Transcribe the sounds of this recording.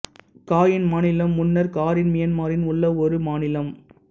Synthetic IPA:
kaːjɪnmaːnɪlɐmːʊnːɐɾkaːɾɪnmɪjɐnmaːɾɪnʊɭːɐɔɾɯmaːnɪlɐm

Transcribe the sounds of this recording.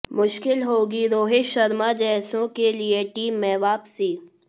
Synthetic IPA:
mʊʃkɪlɦoːɡiɾoːɦeʃɐɾmad͡ʒɛːsõkelieʈiːmːɛːʋaːpsiː

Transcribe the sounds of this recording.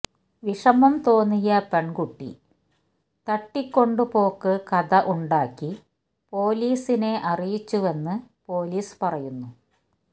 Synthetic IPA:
ʋiʂɐmɐmt̪o̞ːnːijɐpeɳkuʈːḭ | t̪ɐʈːikʲːo̞ɳɖupo̞ːkːɨkɐðɐʔuɳɖaːkːi | po̞ːliːsine̞ʔɐrijit͡ɕːuʋe̞nːɨpo̞ːliːspɐrɐjunːu

